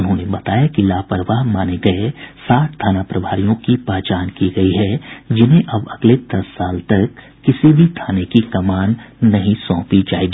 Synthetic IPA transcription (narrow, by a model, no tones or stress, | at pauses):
ʊnɦõːnebɐt̪aːjakilaːpəɾʋaɦmaːneɡɐesaːʈ̪̚ʰt̪ʰaːnapɾɐbʱaːɾijõkipɛːt͡ʃaːnkiɡɐiɦɛd͡ʒɪnɦẽʔɐbɐɡled̪ɐsːaːlt̪ɐkː | ɪsibʱit̪ʰaːnekikɐmaːnːɐɦĩsɔ̃ːpid͡ʒaːeɡiː